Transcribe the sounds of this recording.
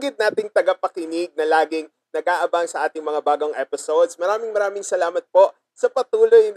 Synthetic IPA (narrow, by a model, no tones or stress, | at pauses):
ɡɪd̪̚naːt̪ɪŋt̪ɐɡapɐkɪnɪɡ̚nɐlaːɡɪŋ | nɐɡʔaːʔɐbaŋsɐʔaːt̪ɪŋmɐŋabaːɡoŋʔɛpɪsowd̪smɐɾaːmɪŋmɐɾaːmɪŋsɐlaːmɐt̪̚po̞ʔ | sɐpɐt̪uːlojn